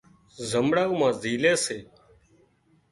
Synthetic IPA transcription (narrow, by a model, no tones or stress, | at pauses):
zəmɽaːɣmãːziːleːseː